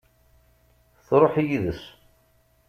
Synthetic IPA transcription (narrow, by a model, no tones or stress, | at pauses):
θɾˤoħijiðəs